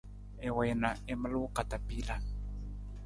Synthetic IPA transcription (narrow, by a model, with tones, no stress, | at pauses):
ɛ˨wɛna˨ɛ˦ma˦lu˦u˦ka˨ta˨pi˦la˨